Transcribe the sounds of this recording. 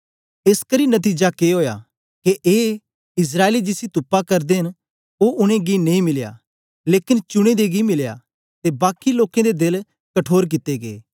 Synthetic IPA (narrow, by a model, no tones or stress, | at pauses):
eːskɐɾinɐt̪̬iːd͡ʒakeɦoːja | keʔeː | ɪs̬ɾaːelid͡ʒɪsit̪ʊpːakɐɾd̪eɦɪn | oːʔʊɽ̃ẽɡinɐ̃ĩmɪlja̰ː | leːkɪnt͡ʃʊɽ̃ẽd̪eɡimɪlja̰ | t̪ebaːkiloːkẽd̪ed̪el | kɐʈʰoːɾk̬ɪt̪ːeɡḛː